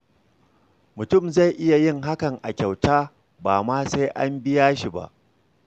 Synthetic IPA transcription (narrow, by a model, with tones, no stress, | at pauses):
mʊ˨tʊ˦˨mza˦˨jʔɪ˦ja˨jɪ˦ŋɦa˦kɐ˨ŋʔa˨kʲa˨wtaː˦ | baː˨maː˦sa˦jʔa˦mbɪ˦jaː˦ʃi˨ba̰˦˨ʔ